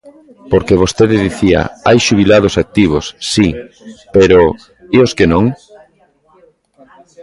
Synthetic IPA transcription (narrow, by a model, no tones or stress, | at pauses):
poɾkeβ̞ost̪eðɪðiθia̰ajʃuβ̞ilað̞osak̚t̪iβ̞osːi | peɾo | ioskenõŋ